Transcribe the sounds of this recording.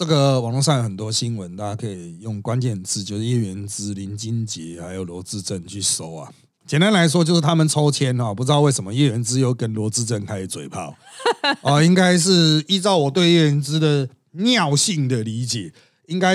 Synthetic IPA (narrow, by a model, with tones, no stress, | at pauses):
ʈ͡ʂə˥˩ɡə˨wɑ˨˩ŋlɔ˥˧ŋʂ̬a˥˩ŋjxə˨˩nt̪wɔ˦˥ɕi˦nwə˨˦nt̪a˥˧t͡ɕa˥kʰə˧˦˥i˨˩jʊ˥˩ŋkwa˦nt͡ɕjɛ˥˧nt͡sʰɹ̩˥˩t͡ɕjo˥˧ʊʂ̩˥˩jɛ˥˩ɥɛ˧˦nt͡sɹ̩˦˥li˨˧˥nt͡ɕi˦nt͡ɕi˨˦xa˧˦˥ɪjo˨˩ʊlwɔ˧˥t͡sɹ̩˥˧ʈ͡ʂə˥˨nt͡ɕʰy˥˩so˦˥ʊɐ̰˨˩ | t͡ɕjɛ˨˩nt̪a˦nla˧˦ɪʂ̬wɔ˥t͡ɕjo˥˧ʊʂ̬ɻ̩˥˩t̪ʰa˥mə˨nʈ͡ʂʰo˥ʊt͡ɕʰjɛ˦nɔ˥˨pu˧˩t͡s̩̪˧˥ɑ˥˧ʊwe˥˩ɪʂə˧˦mə˧˦jɛ˥˩ɥɛ˧˥nt͡sɹ̩˥˦jo˧ʊkə˦nlwɔ˧˥t͡sɹ̩˥˧ʈ͡ʂə˥˩nkʰa˧˥ɪi˨˩t͡swe˨˩ɪpʰɑ̰˥˩ʊ | ɔ˥˧i˦ŋka˥ɪʂ̬ɻ̩˥˧i˥t͡sɑ˥˩ʊwɔ˨˩t̪we˥˧ɪjɛ˥˩ɥɛ˧˦nt͡sɹ̩˦d̪ə˨ | njɑ˥˨ʊɕi˥˩ŋd̪ə˨li˧˥t͡ɕjɛ˨˩ | i˦˥ŋka˥˦ɪ